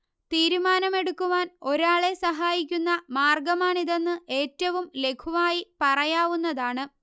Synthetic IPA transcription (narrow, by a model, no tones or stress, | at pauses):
t̪iːɾumaːnɐme̞ɽukːuʋaːno̞ɾaːɭe̞sɐɦaːjikʲːunːɐmaːrɡɐmaːɳiðe̞nːɨʔe̞ːtːɐʋumle̞kʰuʋaːjipɐrɐjaːʋunːɐðaːɳɨ